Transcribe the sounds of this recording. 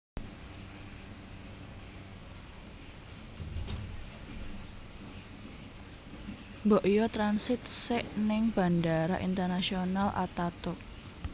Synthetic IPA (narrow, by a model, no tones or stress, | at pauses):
mbɔʔjɔt̪ɾansɪt̪̚sɪʔnɪŋb̥a̤ndaɾa̰ʔḭnt̪ərnasionalʔa̰t̪at̪ʊk̚